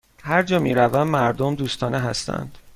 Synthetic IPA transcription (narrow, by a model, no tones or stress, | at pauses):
hæɾd͡ʒɒːmiːɾævæmːæɾd̪omd̪uːst̪ʰɒːneɦæst̪æ̰nd̪̥